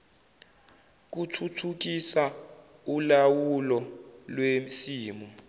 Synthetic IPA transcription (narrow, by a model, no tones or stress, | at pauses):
k̬utʰutʰuk̬isa | ulawulɔlwemsiːmu